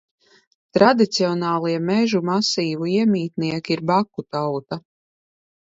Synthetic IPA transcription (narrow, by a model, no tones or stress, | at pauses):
t̪ɾad̪it̪siɔnaːlˠiɛmɛʒumasiːvuiɛmʲiːt̪niɛkiɾbakːut̪awt̪a